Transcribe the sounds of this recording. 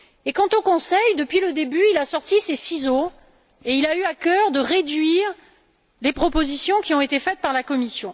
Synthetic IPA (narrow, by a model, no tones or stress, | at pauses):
ekɑ̃t̪okɔ̃sɛjd̪əpɥiləd̪ebyilasɔʁt̪isesizo | eilayakʲœʁd̪əʁed̪ɥiʁ | lepχɔpozisjɔ̃kʲiɔ̃et̪efɛt̪̚paʁlakɔmisjɔ̃